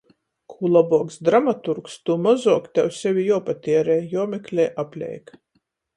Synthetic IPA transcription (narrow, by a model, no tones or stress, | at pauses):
kʰuːlˠabuɔksd̪ɾamat̪uɾkst̪umazuɔkt̪ʲɛwsʲɛvʲijɔɔpat̪ʲiɛɾɛːjjɔɔmʲɛklʲɛːjʔapʲlʲɛ̰jk